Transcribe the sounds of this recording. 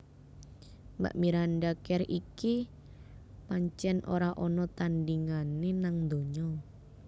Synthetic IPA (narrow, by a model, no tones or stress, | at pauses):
mba̰ʔmiɾanɖakɛriki | paɲt͡ʃɛnʔoɾaʔɔnɔt̪andiŋanenaŋd̪oɲɔ